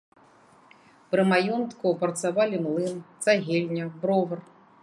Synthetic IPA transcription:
pɾɨmajɔnt̪kupɾɐt̪savalʲimlˠɨmt̪saɣʲelʲnʲɐbɾɔvɐr

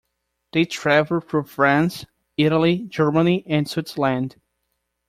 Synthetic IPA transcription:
ðeɪtʰɹ̥ævl̩ˠfɹʌ̃ɱfɹæ̃ns | ɪɾəl̩ˠid͡ʒɜ˞məniʔɨ̃nswɪtsə˞læ̃nd̥

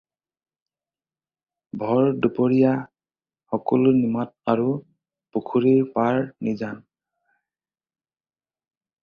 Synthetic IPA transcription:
bʱɔɹdupɔɹija | xɔkɔlnimat̚aɹu | pukʰuɹiɹpaɹnizan

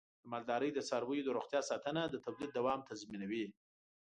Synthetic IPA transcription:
d̪̥əmɑld̪ɑɾəjd̪əsɑɾwəjod̪əɾoxt̪jɑsɑt̪ənad̪ət̪ablid̪̚d̪awɑmt̪ʰazminawi

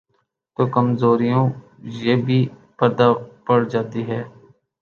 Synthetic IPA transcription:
t̪oːkəmzoːɾijõː | jeːbʱiːpɛd̪aːpəɽd͡ʒaːt̪iːɦɛː

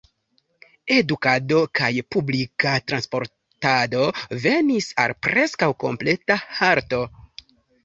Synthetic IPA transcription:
e̞dukado̞kajpublikatɾanspo̞ɾ | tado̞ve̞nisa̰lpɾe̞skawko̞mple̞tahaɾto̞

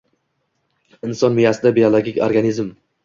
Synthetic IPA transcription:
ɪnsɒnmijasɪd̪abiolˠoɡʲikʲo̰ɾɡanizm

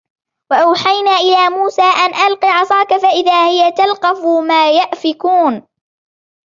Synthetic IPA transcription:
waʔawħajnaːʔɪlaːmuːsaːʔanʔalqiʕɑsˤɑːkafaʔɪðaːhɪjat̪alqɑfʊmaːjaʔfɪkuːn

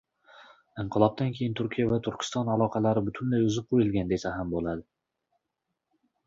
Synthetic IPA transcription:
ɨɴqʰɨlˠɒb̚t̪ʰankʲʰejɪnt̪ʰʊɾkʲijavat̪ʰʊɾkʲʰɪ̥st̪ɒnalˠɒqʰɑlaɾɪbʊt̪ʰɪnlajʊzɪp̚qʰojɪlˠɡʲand̪esaɦambolˠad̪ɪ

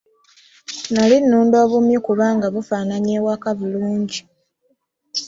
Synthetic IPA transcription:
nalinːuːndo̞ːβumjikuβaːŋɡaβufaːnaɲeːwakaβuluːɲɟi

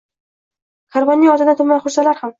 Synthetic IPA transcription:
kʰaɾbɒnːiɒzɪd̪at̪ʰʊmmanχʊɾsalaɾham

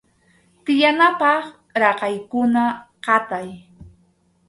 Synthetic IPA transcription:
t̪ɪjanapɑχ | ɾɑqɑjkʊnaqɑt̪aj

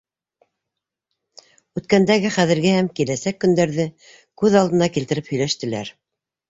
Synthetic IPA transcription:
ʉt̪̚kænd̪æɡɘχæðɘ̆ɾɡɘhæmkilæsækːɵ̆nd̪æɾðɘ | kʉðɑld̪ɤ̆nɑkilt̪ɘ̆ɾɘphɵ̆jlæʃt̪ɘ̆læ̰ɾ

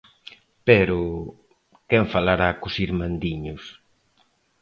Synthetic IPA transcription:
pɛɾʊ | kɛɱfalaɾakʊsiɾmand̪iɲʊs

